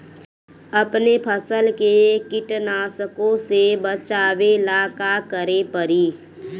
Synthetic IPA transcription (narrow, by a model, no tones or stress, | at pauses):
əpnepʰəsəlkekɪʈnaːsəkõsebət͡ʃaːwelaːkakəɾepəɾiː